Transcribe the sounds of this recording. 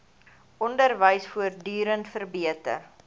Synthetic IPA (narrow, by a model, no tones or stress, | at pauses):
ɔndərvəjsfuərdyːɾəntfərbiətə̰r